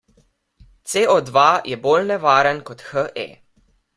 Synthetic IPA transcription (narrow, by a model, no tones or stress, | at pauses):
t̪seːɔd̪ʋajʔɛboːlnɛʋaːɾənkɔt̪xəʔɛ̰